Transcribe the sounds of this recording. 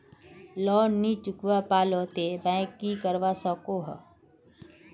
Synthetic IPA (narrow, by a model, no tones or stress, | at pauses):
lɔːniːt͡ʃʊkʋapaːlot̪ebɛ̃kːikəɾʋasəkoɦə̰